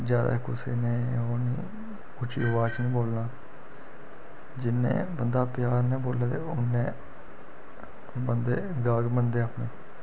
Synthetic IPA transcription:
d͡ʒjaːd̪a̰ːkʊsḛːnẽːoːnĩː | ʊt͡ʃḭːʊʋaːt͡ʃnĩːboːlnaː | d͡ʒɪnːḛ̃ːbənd̪aːpɪjaːɾnẽːboːlːaːt̪eːʊnːẽː | bənd̪eːɡaːɡmənd̪eːaːpnẽː

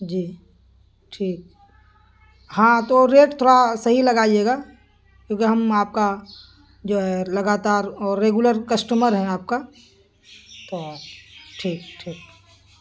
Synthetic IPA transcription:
d͡ʒiː | ʈʰiːk̚ | hãːt̪oɾeːʈt̪ʰoːɽasɐɦilɐɡaːieːɡaː | kjõːkiɦɐmaːp̚ka | d͡ʒoːɦɛlɐɡaːt̪aːɾɔːɾːeːɡuləɾkəsʈuməɾɦɛ̃aːp̚ka | t̪o | ʈʰiːk̚ʈʰiːk̚

